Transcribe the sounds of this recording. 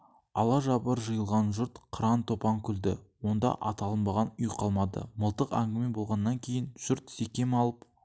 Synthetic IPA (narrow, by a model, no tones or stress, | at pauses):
ɑlˠɑʒɑbəɾʒəjəlˠʁɑnʒʊɾt̪qʰəɾɑnt̪ʰo̞pɑŋkʲʰʏld̪ɪ̰wo̞nd̪ɑ̰ʔɑt̪ɑlˠənbɑʁɑnʏjqʰɑlˠmɑd̪ə̰məlˠt̪əqæŋɡʲɪmebo̞lˠʁɑnːɑŋkʲʰe̞jɪnʒ̥ʏɾt̪sekʲe̞mɑlˠəp